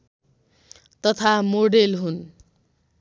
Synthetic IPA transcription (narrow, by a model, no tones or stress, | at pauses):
t̪ʌt̪ʰamoɖelɦun